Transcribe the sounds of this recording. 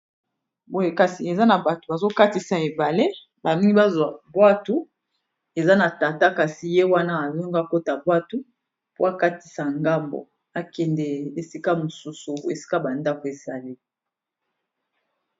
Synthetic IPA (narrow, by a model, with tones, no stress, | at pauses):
bo˨je˨ka˨si˨e˨za˦na˨ba˨to˨ba˨zo˦ka˦ti˦sa˨e˨ba˨le˦ | ba˨mi˦ŋɡi˦ba˦zwa˨bwa˦tu˦ | e˨za˦na˨ta˨ta˦ka˨si˨je˦wa˦na˦a˨zo˦ŋɡa˦ko˦ta˨bwa˦tu˦ | po˦a˨ka˦ti̥˦sa˨ŋɡa˦mbo̰˨ | a˨kɛ˨ndɛ˨e˨si˦ka˦mo˨su˦su˨ḛ˨si̥˦ka˦ba˨nda˦ko˨e˨za˨li˦